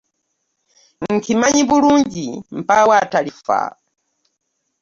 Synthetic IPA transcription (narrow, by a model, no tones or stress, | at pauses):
ŋ̩kʰimaɲibuɾund͡ʒim̩pawatalifa̰